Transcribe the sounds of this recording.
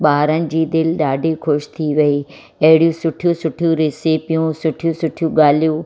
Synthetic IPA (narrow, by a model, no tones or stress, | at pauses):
ɓaːɾənɪ̆d͡ʑiːd̪ɪlɗaːɖʱikʰʊʃt̪ʰiʋɐi | ɐɦɪɽijũsʊʈʰijũsʊʈʰjũɾɪsipijũsʊʈʰijũsʊʈʰijũɡaːlijũ